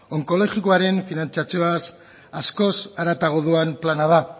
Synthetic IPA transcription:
o̞ŋko̞lo̞ʝikoaɾe̞nfinant͡siat͡sioas | asko̞saɾat̪aɣ̞oðuamplanað̞a

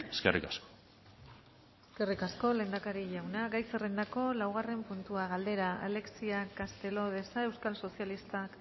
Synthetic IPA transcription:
eskḛrikasko̥ | eske̞rikasko̞le̞ːnd̪akaɾiʎawnaɡajserend̪ako̞lawɣ̞are̞mpunt̪uaɣ̞ald̪e̞ɾaa̰le̞ksiakast̪e̞lo̞ð̞e̞sae̞wskalso̞sijalist̪ak

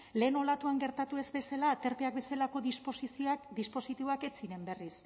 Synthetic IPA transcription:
le̞ːno̞lat̪uaŋɡe̞ɾt̪at̪ue̞zbe̞salaːt̪e̞ɾpeak̚be̞salako̞ðspsd̪ispo̞sit̪iβo̞ake̞t͡siɾe̞mbe̞ris

